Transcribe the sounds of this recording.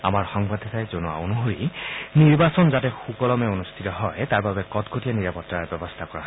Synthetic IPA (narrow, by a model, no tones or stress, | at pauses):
a̰maɹxɔŋbadʱatajzonua̰unɔɦoɹiniɹbasɔnzatɛxukɔlɔmɛonustʰitɔɦɔjtaɹbabɛkɔtkʰotianiɹapɔtɹaɹɛbɔbɔstʰakɔɹaɦ